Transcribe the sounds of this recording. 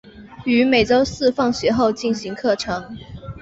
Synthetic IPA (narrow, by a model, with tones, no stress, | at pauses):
y˧˥me˨˩ɪʈ͡ʂo˥ʊsɹ̩˥˧fɑ˥˩ŋɕɥɛ˧˥xo˥˧ʊt͡ɕi˥˩nɕi˧˥ŋkʰɤ˥˩ʈ͡ʂʰɤ˧˥ŋ